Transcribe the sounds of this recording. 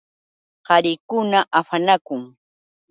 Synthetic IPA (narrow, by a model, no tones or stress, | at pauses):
hɑɾɪkʊnaʔaɸanakʊŋ